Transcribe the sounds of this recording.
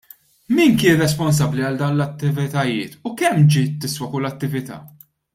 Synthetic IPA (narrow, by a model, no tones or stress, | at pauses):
miːnkɪːnrɛspɔns̬ɐbːliɐld̪ɐwnlɐt̪ːɪvɪt̪ɐjɪːt̪ʊkɛmːd͡ʒiːt̪ːɪswɐkʊlːɐt̪ːɪvɪt̪ɐ̰ː